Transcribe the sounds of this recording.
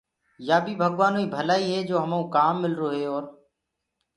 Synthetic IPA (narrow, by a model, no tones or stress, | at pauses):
jaːbʱiːbʱəɠʋaːnoːiːbʱəlaːiːɦeːd͡ʒoːɦəmõːkaːmːɪlɾoːɦeːɔːɾ